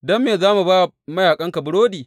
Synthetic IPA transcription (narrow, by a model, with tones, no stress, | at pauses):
dɔ˦mːeː˨zaː˦mu˨baː˦˨ | mɐ˦jaː˨kʼɐ˦ŋka˨bʊ˨˦ɽoː˦diː˨